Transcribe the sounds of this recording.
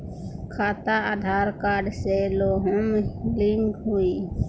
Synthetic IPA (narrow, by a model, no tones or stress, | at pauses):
kʰaːt̪aad̪ʱaːɾkaːɖseloːɦəmlɪŋɡɦuiː